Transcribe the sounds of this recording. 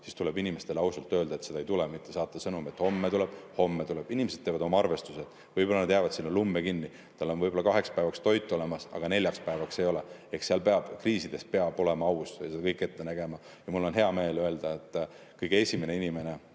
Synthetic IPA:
sist̪ulebinime̞st̪e̞lɑwsɑlt̪ːˑø̞ːld̪ɑet̪se̞d̪ɑejt̪ulemit̪ˑːe̞sɑːt̪ːˑɑsɤnumiet̪ho̞mːet̪uleb̥ho̞mːet̪uleb̥inʲimesed̪̥̚tevɑd̪omɑɑrve̞st̪used̪ | vɯjb̥o̞lːɑnd̪jæːvɑd̪sinːolumːekinːi | t̪ɑlːo̞nvɤjbo̞lɑkɑɦe̞kspæevɑkst̪o̞jt̪ːˑo̞le̞mɑsɑ̰ɡ̥ɑnelʲjɑkspæevɑkse̞jo̞le̞ekseɑlpe̞ɑb̥kriːsid̪̥e̞spe̞ɑb̥o̞le̞mɑɑwsjɑsed̪ɑ̥kɤjkːˑe̞t̪ːe̞næɡ̥e̞mɑ | jɑmulːo̞nɦe̞ɑme̞ːlø̞eld̪̥ɑet̪ːˑ | kɯjɡ̥ee̞sʲime̞neinime̞ne

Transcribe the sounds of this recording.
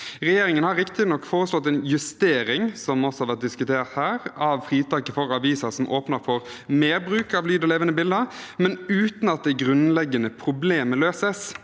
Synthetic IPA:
ɾɛjeːɾɪŋənhɑɾɪkt̪ɪnɔkːfoːɾəslɔt̪ːɛɪnjʉst̪eːɾɪŋsɔmɔsɔhɑɾʋæt̪̚d̪ɪskʉt̪ʰeːɾt̪hæːɾɑʋfɾiːt̪ʰɑːkəfɔɾɑʋiːsəɾsɔmʔoːpnəɾfɔʁmeːɾbɾʉːkɑʋlyːd̪ɔleːʋənəbɪld̪əɾmɛnʉːt̪nɑt̪̚d̪ɛɡɾʉnlɛɡːənəpʰɾʊbleːməløːsəs

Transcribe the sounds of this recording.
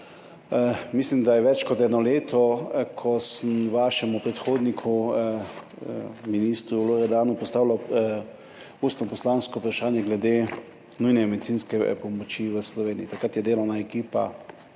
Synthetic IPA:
mislimd̪ajɛʋɛt͡ʃkɔt̪ɛnɔleːt̪ʰɔkʰɔsəmʋaːʃɛmupɾɛt̪xoːd̪nikʰu | miniːst̪ɾuloɾɛd̪aːnupɔst̪aːwla | ust̪nɔpɔslanskɔupɾaʃaːnjɛɡlɛd̪eː | nujnɛmɛd̪itsinskɛpɔmɔt͡ʃiʋəslɔʋeːniit̪akɾat̪jɛd̪eːlɔnaɛkiːpa̰

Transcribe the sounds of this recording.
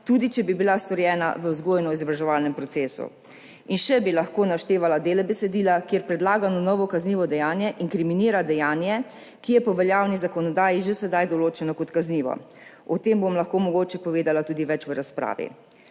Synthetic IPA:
t̪uːd̪it͡ʃɛbibilast̪ɔɾjɛːna̰ʋəzɡoːjnɔizɔbɾaʒɛʋaːlnɛmpɾɔt̪seːsṵ | inʃɛbilaxkoːnaʃt̪eːʋalad̪eːlɛbɛsɛd̪iːlakjeːɾpɾɛd̪laːɡanɔnɔːʋɔkazniːʋɔd̪ɛjaːnjɛʔiŋkɾiminiːɾad̪ɛjaːnjɛ | kijɛpɔʋɛljaːwnizakɔnɔd̪aːjiʒesɛd̪ajd̪ɔloːt͡ʃɛnɔkɔt̪kazniːʋɔ̰ | ɔt̪embomlaxkoːmɔɡoːt͡ʃɛpɔʋeːd̪alat̪uːd̪iʋɛt͡ʃʋəɾaspɾa̰ːʋḭ

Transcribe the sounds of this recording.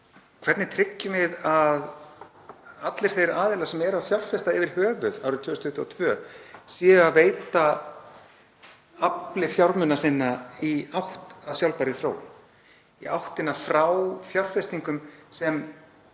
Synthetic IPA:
kʰvɛɾt̪nɪt̪ʰɾɪcːʏmɪðað | at̪lɪɾ̥θejɾaːðɪlasɛmɛɾafjawr̥fɛst̪aɪvɪɾ̥hœːvʏða̰wɾʏmt̪ʰʏːɾʏst̪ʰʏht̪ːɪɔt̪ʰvœːsiːɣaðveːjt̪a | aplɪfjawɾmʏnasɪnːaiawht̪avsjawlpaɾɪθɾo̰ːwʏ̰n | iawht̪ɪnafɾawfjar̥fɛst̪iŋkʏmsɛm

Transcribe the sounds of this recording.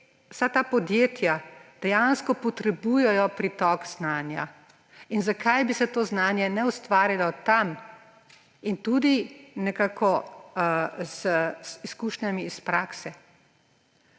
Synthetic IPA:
wsat̪aːpɔd̪jeːt̪jad̪̥ɛjanskɔpɔt̪ɾɛbujɛjɔpɾit̪ɔkznaːnja̰ | inzakʰajbisɛt̪oːznaːnjɛnɛust̪ʋaːɾilɔt̪am | int̪ud̪inɛkaːkɔ | zsiskuːʃnjamiːspɾaːksɛ

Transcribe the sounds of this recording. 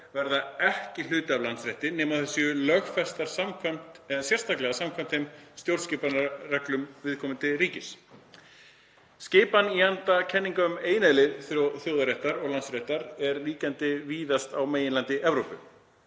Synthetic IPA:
vɛɾðaɛhcɪl̥ʏːt̪ɪavlansɾɛht̪ɪnɛːmaðθɛsːʏʏlœɣfɛst̪aɾ̥samkʰam̥t̪ɛsjɛr̥st̪ʰaklɛɣasamkʰam̥t̪emst̪jowɾðscɪpanrɛklʏmvɪðkʰɔːmɪnt̪ɪɾiːcɪs | scɪːpaniant̪acʰɛnːiŋkaʏmeːjnaðlɪθɾjɔθjowðaɾɛht̪aɾɔɣlansɾɛht̪aɾɛɾliːcant̪ɪviːðast̪awmeːjɪnlant̪ɪʔɛvɾowpʏ

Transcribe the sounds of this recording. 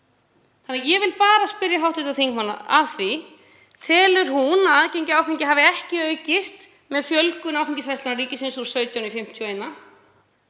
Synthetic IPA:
θanːɪjɛvɪlpaːɾaspɪɾjaɦawht̪vɪt̪aðθiŋkmanːa̰aθvi | t̪ʰɛːlʏɾ̥ɦunaðcejɲcɪaːwfiɲcɪɦavɪɛhcɪœːɥcɪst̪ | mɛðfjœlkʏnaːwfiɲcɪsvɛjst̪ɪnaɾiːcɪsɪnsuɾ̥sœɥt̪jawnifɪm̥t̪ʰjueːjnːa

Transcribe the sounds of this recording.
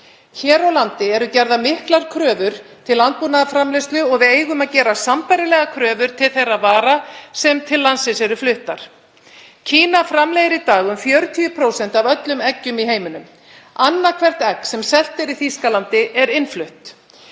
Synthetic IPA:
çɛːɾawlant̪ɪɛɾʏcɛɾðamɪhklaɾ̥kʰɾœːvʏɾ̥t̪ʰɪlːant̪̚puːnaðafɾamlejst̪lʏɔɣvɪðeːjɣʏmaðcɛːɾasampajɾɪlɛːɣakʰɾœːvʏɾ̥t̪ʰɪlθejravaːɾasɛmt̪ʰɪlːansɪsɛɾʏflʏht̪aɾ̥ | cʰiːnafɾamlɛːðɪɾit̪aːɣʏmfjœɾt̪ʰiʏpʰɾowsɛn̥t̪avœt̪lʏmɛcːʏmiɦeːjmʏnʏm | anːakʰvɛr̥t̪ɛksɛmsɛl̥t̪ɪɾiθiskalant̪ɪʔɛɾɪnflʏht̪

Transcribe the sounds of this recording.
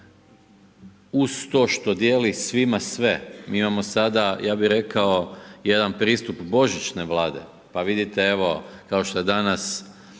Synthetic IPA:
ust̪o̞ːʃt̪o̞d̪je̞lisʋimasʋe̞mḭːimamo̞sad̪ajaːbiɾe̞kao̞je̞d̪anpɾiːst̪upbo̞ʒit͡ʃne̞ʋlˠaːd̪e̞̰ | paʋid̪it̪ee̞ʋo̞kaoʃt̪o̞jed̪anas

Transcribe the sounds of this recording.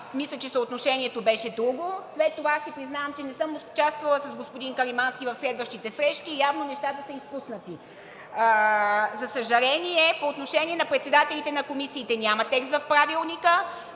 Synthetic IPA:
mislʲət͡ʃɛsəot̪noʃɛniɛt̪obɛʃɛd̪ɾuɡoslɛt̪ːovaasipɾiznavəmt͡ʃɛnɛsɤmoso̥t͡ʃast̪vɐlˠəsɐzɡospod̪inkɐɾimanskʲivɐfslɛd̪vəʃt̪it̪ɛsɾɛʃt̪ʲiːjavnonɛʃt̪at̪əsəispusnət̪i | zɐsɐʒɐɾɛniɛpoːt̪noʃɛnʲiɛnɐpɾɛt̪sɛd̪at̪ɛlʲit̪ɛnɐkomisiːt̪ɛnʲamɐt̪ɛkst̪vɐfpɾavilˠnikə

